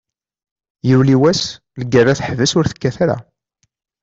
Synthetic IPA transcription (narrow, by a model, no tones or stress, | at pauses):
jəwliwæs | ləɡərːaθəħvəsʊɾθə̥kːæθæɾæ̰